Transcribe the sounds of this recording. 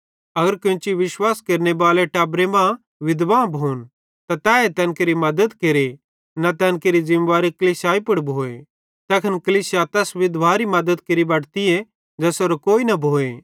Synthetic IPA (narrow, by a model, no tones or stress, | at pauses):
ɐɡəɾkẽt͡ʃiʋɪʃwaːskeːɾnebaːleʈɛːbɾemã | ʋɪd̪ʋaːbʱoːn | t̪at̪ɛːet̪ɛ̃ːnkeɾimɐd̪əd̪keɾe | nat̪ɛ̃ːnkeɾizɪ̃mʋaːɾikɐliːsaːipɐɽbʱoːḛ | t̪ɛːkʰɐnkɐliːsjat̪ɛːsʋɪd̪ʋaːɾimɐd̪əd̪keɾibɐɽt̪ie | d͡ʒɛːsoɾokoːinɐbʱoːe